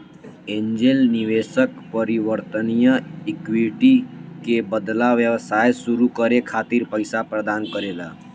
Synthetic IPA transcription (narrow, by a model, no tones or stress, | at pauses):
ẽɲd͡ʒelniʋesəkpəɾiʋəɾt̪ənijəikʋiʈikebəd̪laʋjəʋsajsuɾukəɾekʰat̪iɾpəjsapɾəd̪ankəɾela